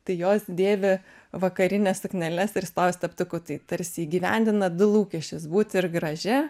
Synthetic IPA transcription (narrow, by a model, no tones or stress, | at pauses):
t̪ɐɪjoːsd̪ʲeːʋʲɪ | ʋɐkɐɾʲɪnʲɛsɐknʲɛlʲɛsɪɾst̪oːʋʲɪst̪ʲɐpt̪ʊkʊːt̪ɐɪt̪ɐɾʲsʲɪiːɡʲiʋʲɛ̰nʲd̪ʲɪnɐd̪ʊlˠuːkʲɛʃʲt͡ʃʲɪsbuːt̪ʲɪrɡɾɐʒʲɪ